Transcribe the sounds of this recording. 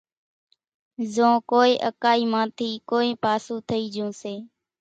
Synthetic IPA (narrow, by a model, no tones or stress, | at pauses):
zõːkoːeːʔəkaːiːmãːt̪ʰiːkoːẽːpaːsũːt̪ʰəiːd͡ʒũːseː